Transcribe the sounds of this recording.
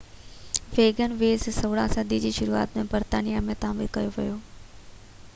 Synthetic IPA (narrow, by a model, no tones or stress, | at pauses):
ʋeːɡənʋeːzsɐʋɽã̰sɐd̪id͡ʑiːʃʊɾua̰ːt̪mẽbɐɾt̪aːnijamẽt̪ãːʋilkɐjoʋḭjoː